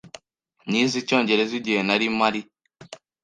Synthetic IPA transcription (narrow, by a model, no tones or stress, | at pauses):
nizit͡ʃɔnd͡ʒɛɾɛzid͡ʒɛnaɾimaɾi